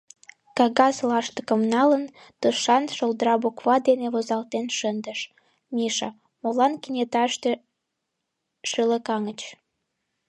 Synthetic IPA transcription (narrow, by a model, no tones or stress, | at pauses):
kɑɣɑslɑʃt̪ə̥kəmnɑlən | t̪əʃɑnʃolˠd̪əɾɑbokβɑd̪eneβozɑlt̪enʃənd̪əʃ | miʃɑ | molɑnkinʲet̪ɑʃt̪e | ʃələkɑŋət͡ɕ